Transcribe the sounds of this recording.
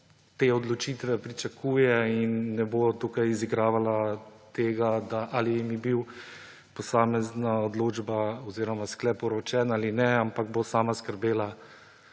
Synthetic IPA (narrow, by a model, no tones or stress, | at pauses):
t̪eːɔd̪lɔt͡ʃiːt̪ʋɛpɾit͡ʃakʰuːjɛinːɛbot̪ukajiziɡɾaːʋalat̪eːɡad̪aʔalijimibiw | pɔsaːmɛznaɔd̪loːd͡ʒbaɔziːɾɔmasklɛpɔɾɔt͡ʃɛnaːlinɛampaɡ̚bosaːmaskəɾbeːla